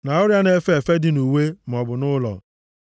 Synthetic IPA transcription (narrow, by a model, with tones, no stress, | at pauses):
na˨ʊ˦ɾja˦ne˦fe˨fe˦dɪ˨˦nu˨we˦m̩˨ɔ˨bʊ˨nʊ˦lɔ̰˨